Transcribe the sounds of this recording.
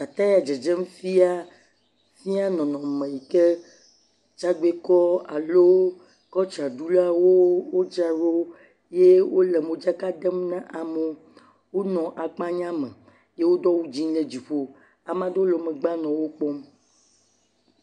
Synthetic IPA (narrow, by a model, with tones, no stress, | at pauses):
ka˨t̪a˦ja˨d͡ʒɛ˨d͡ʒɛ˦m˦fi˦a˦ | fi˦a˦nɔ̃˨nɔ̃˨mẽ˨ji˨ke˦ | t͡ʃa˦ɡ͡be˦kɔ˦a˨lo˦ | kɔ˦t͡ʃa˨ɖu˦la˦wo˦wo˦d͡ʒa˦ɾo˦ | je˦wo˦lɛ˨mõ˨d͡ʒa˦ka˦dɛ˦mnã˦ʔa˨me˨ | wo˦nɔ̃˨ʔa˨k͡pã˦ɲã˦mḛ̃˨ | je˦wo˦d̪ɔ˦wu˦d͡ʑi˦le˨d͡ʑi˨ɸo˦ | a˨mã˦de˦o˦lo˨mẽ˨ɡ͡ba˦nɔ̃˨wo˦k͡pɔ˦m